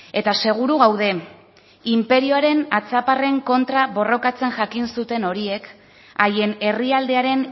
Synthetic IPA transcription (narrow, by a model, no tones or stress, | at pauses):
e̞t̪ase̞ɣ̞uɾuɣawðe̞ | impe̞ɾio̞aɾe̞nat͡sapare̞ŋko̞nt̪ɾaβo̞ro̞kat͡se̞nʝakinsut̪e̞no̞ɾie̞k | aje̞ne̞riald̪e̞aɾe̞n